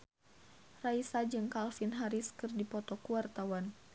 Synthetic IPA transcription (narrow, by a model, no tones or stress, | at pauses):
raisad͡ʒɨŋkalfinɦaɾiskɨrdipɔt̪ɔkuwart̪awan